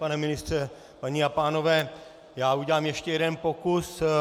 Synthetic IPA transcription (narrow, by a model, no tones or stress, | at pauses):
panɛmɪnɪst̪r̥ɛ | paɲiapaːno̞vɛː | jaːuɟɛlaːmjɛʃcɛjɛdɛnpo̞kus